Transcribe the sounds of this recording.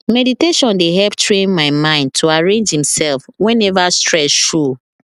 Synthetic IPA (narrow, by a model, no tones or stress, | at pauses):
mɛditeʃɔ̃ndeɦɛlptʰɹẽnmaɪmãɪ̃nd̚tʰuaɹẽnd͡ʒhĩmsɛlfwɛ̃nɛvastʰɹɛsʃu